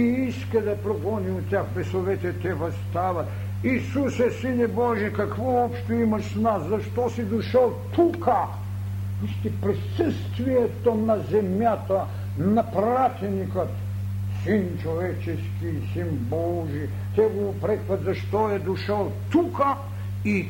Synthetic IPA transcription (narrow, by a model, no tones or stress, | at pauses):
iiskɛd̪ɐpɾobɔniot̪ʲːjakpɛsovɛt̪ɛt̪ɛvɐst̪avɐt̪ | isusɛsinɛbɔʒɛkakvɔɔpʃt̪oimɐʃsnaszɐʃt̪ɔsid̪uʃəlˠt̪ukɐ | uʃt̪ipɾisəst̪vijɛt̪onazɛmjat̪a | napɾat̪ɛnikɐt̪ | sint͡ʃovɛt͡ʃɛskisinbɔʒi | t̪ɛɡopɾɛkvɐt̪zɐʃt̪oɛd̪uʃalˠt̪ukɐ | i